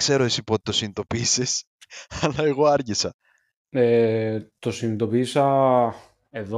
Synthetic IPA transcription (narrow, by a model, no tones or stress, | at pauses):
kse̞ɾoesipot̪i̥t̪o̞sinit̪o̞piːses | ɐlɐe̞ɣo̞ɐɾʝisɐ | et̪o̞sinit̪o̞piːsɐ | eðo